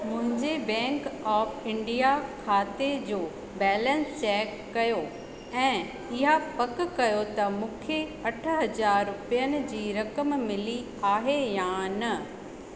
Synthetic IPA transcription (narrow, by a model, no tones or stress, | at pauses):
mʊ̃ɦɪ̃ɲd͡ʑebɛ̃ːŋkɔːfɪ̃ɳɖijakʰaːt̪ed͡ʑoː | bɛːlə̃nst͡ɕɛːkːɐjo | ɛ̃ː | ɪɦapɐkkɐjot̪ɐmũːkʰeɐʈʰə̆ɦɐd͡ʑaːɾːʊpijənɪ̆d͡ʑiːɾɐkəmmɪli | aːɦejãːnɐ